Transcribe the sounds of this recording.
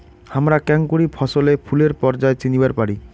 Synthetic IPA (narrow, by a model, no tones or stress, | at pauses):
hamɾakɛŋkuɽifʰɔʃolepʰuleɾpɔɾd͡ʑaet͡ɕinibaɾpaɽi